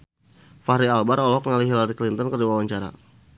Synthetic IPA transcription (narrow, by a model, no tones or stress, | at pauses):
fahɾialbaɾɔlɔk̚ŋaliɦilaɾiklint̪ɔnkərduwawaɲt͡ʃaɾa̰